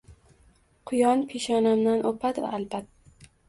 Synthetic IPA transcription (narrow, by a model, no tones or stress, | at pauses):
qʰʊjɒnpʰeʃɒnamnanʔopʰat̪va̰ʔːlbat̪